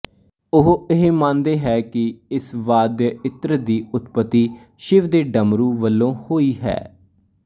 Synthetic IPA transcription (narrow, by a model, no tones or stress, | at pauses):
ʊɦɪɦemãːnd̪eːɦɛːkɪɪsʋaːd̪jɪt̪ɾəd̪iːʊt̪pət̪ːiː | ʃɪʋd̪eːɖəmɾũːʋəlːõːhoːiːɦɛ̰ː